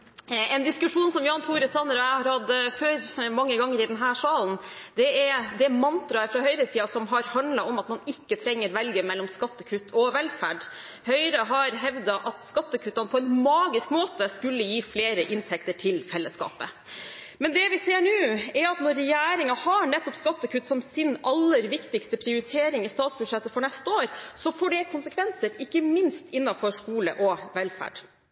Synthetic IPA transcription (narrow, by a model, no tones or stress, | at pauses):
ɛnd̪ɪskʉʂuːnsɔmjɑːnt̪ʰuːɾəsɑnːəɾɔæɪhɑɾhɑd̪ːəføːɾmɑŋːəɡɑŋːəɾɪd̪ɛnɦæːʂɑːln̩ | d̪ɛɛɾd̪ɛmɑnt̪ɾɑəɾfɾɑɦœʏɾəsiːɑsɔmɦɑɾhɑnd̪lɑʔɔmɑt̪mɑnɪkːət̪ʰɾɛŋːəɾʋɛlɡəmɛlːɔmskɑt̪ːəkʰʉt̪ʰɔʋɛlfæːɖ | hœʏɾəɦɑɾɦɛʋd̪ɑʔɑt̪skɑt̪ːəkʰʉːt̪ɑnəpʰɔɛnmɑːɡɪskmoːt̪əskʉlːəjiːfleːɾəʔɪnt̪ʰɛk̚t̪əʈʰɪlfɛlːəskɑ̰ːpə̰ | mɛnd̪ɛʋɪseːɳʉːɛɾɑt̪nɔɾːɛjæːɾɪŋɑhɑɳɛt̪ːɔpskɑt̪ːəkʰʉt̪ːsɔmsɪnɑlːəɾʋɪkt̪ɪkst̪əpʰɾɪʊɾɪt̪ʰeːɾɪŋɪst̪ɑːt̪sbʉd̪ʂɛt̪ːəfɔɳɛst̪əoːɾsɔfoːɖɛkʰʊnsəkʰʋɛnsəɾɪkːəmɪnst̪ɪnːɑfɔʂkuːlə̰ʔɔʋɛlfæ̰ːɖ